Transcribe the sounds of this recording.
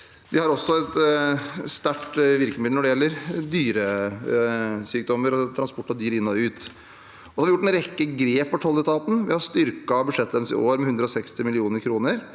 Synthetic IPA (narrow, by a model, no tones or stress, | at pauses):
d̪ɪhɑɾɔsːɔɛt̪ | st̪æʈʋɪɾkəmɪd̪ɔɖɛjɛlːəɾd̪yːɾə | syːk̚d̪ɔmːəɾɔt̪ʰɾɑnspɔʈːɑd̪yːɾɪnːɔʉːt̪ː | sɔɑɾʋɪjʊʈːɛnɾɛkːəɡɾeːpːɔʈ̪ʰɔlːət̪ʰɑːt̪n̩ʋɪhɑɾst̪ʏɾkɑɔbʉʂɛt̪ːd̪ɛnsɪ̰ʔoːɾmɛhʉnd̪ɾəɔsɛkst̪ɪmɪlɪuːnəɾkʰɾuːnəɾ